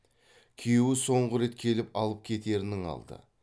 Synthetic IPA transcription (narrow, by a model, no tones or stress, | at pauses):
kʲʰewɪso̞ɴʁəɾe̞t̪kʲʰe̞lɪpɑlˠəp̚kʲʰe̞t̪e̞ɾɪnɪŋɑ̰lˠd̪ə̰